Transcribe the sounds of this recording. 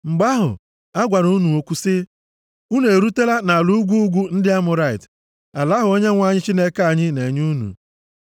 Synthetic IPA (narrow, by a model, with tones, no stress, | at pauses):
ŋ͡m̩˨ɡ͡ba˦ɦʊ̰˨ | a˦ɡʷa˨ɾu˦nu˨o˨kʷu˦sɪ˦ | u˦ne˨ɾu˦te˦la˦na˨lu˦ɡʷu˦ɡʷu˦n̩˦dɪ˦a˦mʊ˨ɾa˦˨ɪ̰˨t | a˨la˦ɦʊ˨o˦ɲe˦ŋʷa˦˨ɲɪ˦t͡ʃi˦ne˦ka˨ɲɪ˦ne˨ɲu˦nṵ˨